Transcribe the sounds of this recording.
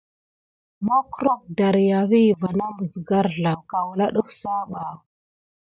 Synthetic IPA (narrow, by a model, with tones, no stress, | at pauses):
ma˦ku˦ɾo˦k̚da˨ɾja˨vi˦˨va˨na˦mə˨zɡa˦ɾɮa˨wka˨wu˨la˦ɗu˦fsa˦ɓa˨